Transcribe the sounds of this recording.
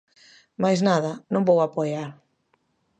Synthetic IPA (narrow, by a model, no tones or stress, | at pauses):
majznaðɐnõmbowapojaɾ